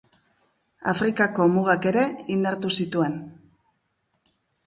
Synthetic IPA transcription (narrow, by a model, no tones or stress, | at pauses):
a̰fɾikako̞muɣ̞ake̞ɾe̞ind̪aɾt̪usit̪ue̞n